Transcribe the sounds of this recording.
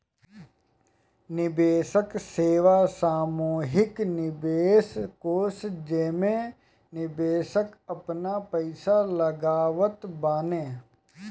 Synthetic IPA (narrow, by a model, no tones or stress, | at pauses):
nɪbeːsəkseːʋasaːmoːɦɪknɪbeːskoːsd͡ʒeːmẽ | nɪbeːsəkɐpnapəɪsaləɡaːʋət̪baːnẽː